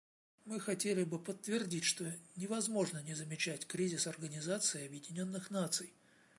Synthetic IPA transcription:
mɨxɐtʲelʲɪbɨpət̪ːvʲɪrdʲitʲʂt̪o̞nʲɪvɐzmo̞ʐnənʲɪzəmʲɪt͡ɕætʲkɾʲizʲɪsɐrɡənʲɪzat̪sɨɪɐbjɪdʲɪnʲo̞nːɨxnat̪sɨj

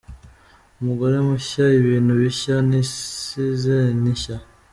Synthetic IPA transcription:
umuɡoɾemuɕaiβiːnuβiɕaniizeniɕa

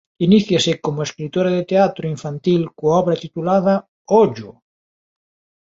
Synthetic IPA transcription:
iniθjasɪkomʊeskɾit̪oɾaðet̪eat̪ɾoiɱfant̪ilkoaɔβɾɐt̪it̪ulaðɐ | oʝʊ

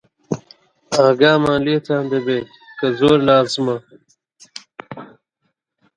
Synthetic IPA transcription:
ãːɡaːmãːliːt̪ʰãːnd̪ebe | kɐzoːɾnaːzma

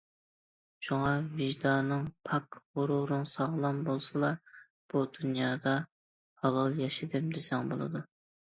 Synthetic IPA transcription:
ʃuŋɑviʒd̪ɑnɨŋpʰɑkʁʊɾuɾɨŋsɑʁlˠɑmbolˠsɨlˠɑ | b̥ud̪unjɑːd̪ɑ | hɑlˠɑlˠjɑʃɪd̪ɪm̚d̪ɪsɛŋbo̰lˠɨ̰d̪u

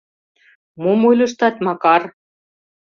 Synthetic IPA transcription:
momojlʲɤ̆ʃt̪ɑt̪mɑkɑr

